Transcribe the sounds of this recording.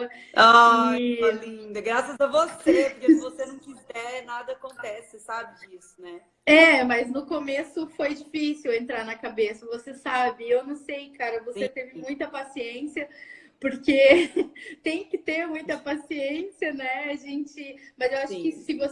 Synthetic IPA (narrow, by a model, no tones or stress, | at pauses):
ɐ | a | lĩd̪ɐɡɾasɐzɐvosepʊɾkesɪvosenɐ̃w̃kizɛnad̪ɐːkõnt̪ɛsɪsabɪd͡ʒisʊnɛ | ɛmɐznʊkomesʊfojd͡ʒifisiwẽnt̪ɾaɾnɐkabesɐvosesabɪewnɐ̃w̃sejkaɾɐvoset̪evɪmũj̃t̪ɐpasiẽsiɐpoɾke | t̪ẽj̃kɪt̪eɾmũj̃t̪ɐpasiẽsiɐnɛaʒẽnt͡ʃɪmɐzewaʃʊ̃kɪsɪvos